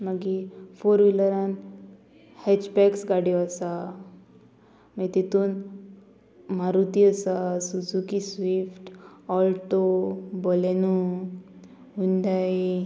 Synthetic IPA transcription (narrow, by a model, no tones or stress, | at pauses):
məɡifoɾʋiləɾãn | hɛt͡ɕpɛksɡaɽjɔəsa | məit̪it̪uːn | maɾut̪iəsasud͡zukisʋifʈɔlʈobɔlenu | ɦund̪aj